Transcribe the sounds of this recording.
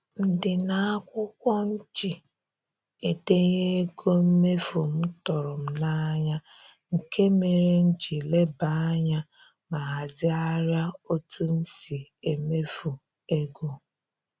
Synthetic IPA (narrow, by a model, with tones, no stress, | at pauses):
n̩˦dɪ˨na˦a˦kʷʊ˦kʷɔ˦n̩˦t͡ʃi˨ | e˨de˦ɣe˦e˦ɡo˦m̩˦me˦fu˨m̩˦tɔ˨ɾʊ˨m̩˦na˦ɲa˦ | ŋ̩˨kʰe˦me˨ɾe˦n̩˦d͡ʒi˨le˦ba˨a˦ɲa˦ | ma˨ɦa˨zɪ˦a˦ɾja˦o˦tʰu˦n̩˦si˨e˨me˦fu˨ | e˦ɡo˦